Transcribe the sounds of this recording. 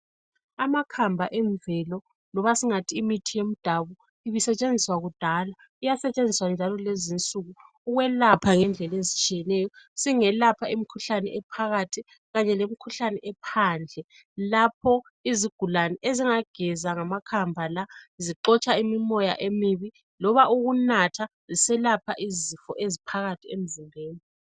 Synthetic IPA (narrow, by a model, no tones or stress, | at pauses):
amakʰambʱaʔɛɱvɛlɔ | nɔβasiŋatʰiːmitʰijem̩d̥ʱaβu | iβisɛt͡ʃʼend͡zʱiswaɣud̥ʱala | ijasɛt͡ʃʼend͡zʱiswand͡ʒʱalɔlezint͡sʼuɣu | uɣwɛlapʰaŋɛnd͡ɮʱɛlezit͡ʃʼijɛnɛjɔsiŋɛlapʰaimikʰuɬanɛɛpʰaɣatʰi | ɣaɲɛlemikʰuɬanɛʔɛpʰaːnd͡ɮʱɛ | lapʰɔ | iziɡ̥ʱulanɛʔeziŋaɡ̥ʱɛzaŋamakʰambʱalaziǃɔt͡ʃʼaimimɔja̰ʔemiβi | lɔβauɣunatʰa | zisɛlapʰaʔizifɔʔezipʰaɣatʰiem̩zimʱeːni